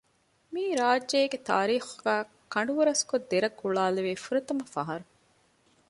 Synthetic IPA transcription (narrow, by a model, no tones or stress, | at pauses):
miːɾaːdːeːɡet̪a̰ːɾiːxuɡæː | kɐɳ̆ɖuʋuɾɐskod̪ːeɾɐɡuɭaːleʋeːfuɾɐt̪ɐmɐfɐɦɐɾu